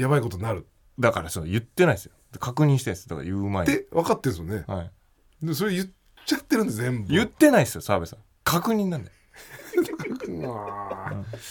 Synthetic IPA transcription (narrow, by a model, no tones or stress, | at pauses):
jaβaiko̞t̪oinaɾɯ̟ | d̪akaɾasoojɯ̟t̪ːe̞naisɨjod̪kʰakɯ̟ɲ̟ĩɕi̥t̪ẽsɨd̪aka̰ɾ̰ajɯːmaeeβakat̪ːẽ̞sɨjoneha̰i | d̪emos̬o̞ɾejɯ | t͡ɕat̪ːe̞ɾɯ̃nd̪ezẽ̞mbjɯt̪ːe̞naisɨjosaːbesɨa | kʰakɯ̟ɲ̟ĩnːãnd̪e | aɯ̃